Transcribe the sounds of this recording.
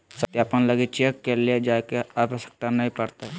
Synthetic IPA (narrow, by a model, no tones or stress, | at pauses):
sət̪jaːpənləɡit͡ʃekːelied͡ʒaːkeapəsə̥k̚t̪anɐɦĩpəɾt̪e